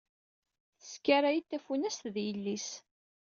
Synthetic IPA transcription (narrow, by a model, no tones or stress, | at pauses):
θskːæɾæjit̪ːæfunæst̪ðjəlːis